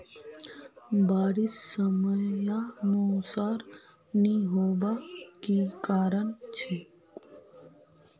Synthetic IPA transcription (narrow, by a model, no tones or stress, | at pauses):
baːɾɪsːəməjanusaːɾ | niɦoːbakikaːɾəɳt͡ʃʰe